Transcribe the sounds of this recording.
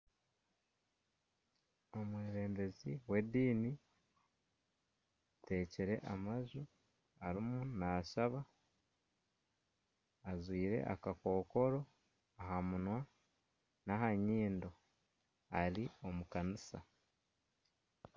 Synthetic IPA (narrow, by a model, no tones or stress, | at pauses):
o̞mweːɾe̞ːmbe̞ziwe̞diːni | te̞ːciɾe̞̰ʔamaʒu | aɾimunaʃaβa | zwiːɾe̞̰ʔa̰kako̞ːko̞ɾo̞ | aɦamunwa | nahaɲiːndo̞ | aɾio̞mukanisa̰